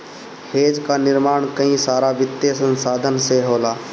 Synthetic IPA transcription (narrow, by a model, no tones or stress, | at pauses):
heːd͡ʒkaːnɪɾmaːɳkəĩːsaːɾaʋɪt̪ːjesə̃nsaːd̪ʱənseɦoːlaː